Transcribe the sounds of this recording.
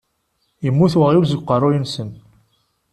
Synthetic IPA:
jəmːuθwəʁuɾs̬əɡqərˤujənsən

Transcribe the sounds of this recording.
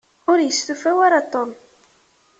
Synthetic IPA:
ʊɾjəsθufæwaɾat̪ˤːɔm

